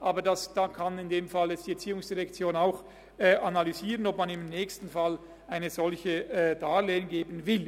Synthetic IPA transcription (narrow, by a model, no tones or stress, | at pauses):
ʔaːbɐdasd̥aːkʰanɪndeːmfaljɛt͡sstd̥iːɛɐt͡siːʊŋsd̥iʁɛkt͡sjoːnaʊx | ɛːʔanalyziːʁənɔpmanɪmnɛːçstn̩fal | aɪnəzɔlçəd̥aːleːʊŋɡeːbənvɪl